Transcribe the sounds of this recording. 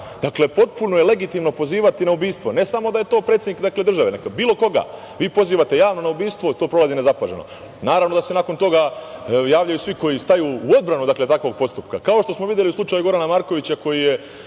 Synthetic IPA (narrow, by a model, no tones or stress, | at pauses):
d̪akle̞po̞t̪̚puno̞jele̞ɡit̪imno̞po̞ziːʋat̪inaubiːst̪ʋo̞ne̞samo̞d̪ajet̪o̞ːpɾet̪sʲed̪nikd̪akled̪r̩ʒaʋenekbiːlˠo̞ko̞ɡa̰ː | ʋiːpo̞ziːʋat̪e̞jaːʋno̞naubiːst̪ʋo̞t̪o̞ːpɾo̞lazine̞zapaʒeno̞̰ | naːɾaʋnod̪ase̞nako̞nt̪o̞ɡajaːʋʎajusʋiko̞jist̪ajuːuo̞d̪̚bɾanud̪akle̞t̪akʋo̞ɡ̚po̞st̪upkakao̞ʃt̪o̞smoʋid̪je̞liuslˠut͡ʃajuɡo̞ɾanamaɾko̞ʋit͡ɕako̞jije̞